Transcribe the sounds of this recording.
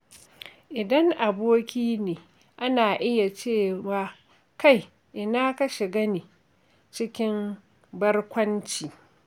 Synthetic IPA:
ʔɪ˨dɐ˦ŋʔa˨boː˦kʲiː˦neː˨ | ʔa˦naː˨ʔɪ˦ja˨t͡ʃeː˦˨waː˨ | ka˦˨j | ʔɪ˨naː˦kɐ˦ʃɪ˨ɡɐ˦niː˨ | t͡ʃɪ˦kʲɪ˦m | bɐ˦rkʷɐ˦nt͡ʃiː˨

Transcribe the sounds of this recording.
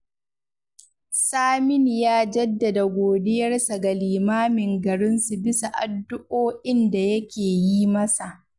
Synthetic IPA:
saː˦mɪ˦n˨jaː˦d͡ʒɐ˦dːɐ˨da˨ɡʷoː˨dɪ˦jɐ˦rsa˨ɡa˨liː˨maː˦mɪ˨ŋɡɐ˨ɾɪ˦nsu˨bɪ˦sa˨ʔa˨dːʊ˦ʔoː˦ʔɪ˦nda˨jɐ˦kʲeː˨jiː˦mɐ˦sa˨ʔ

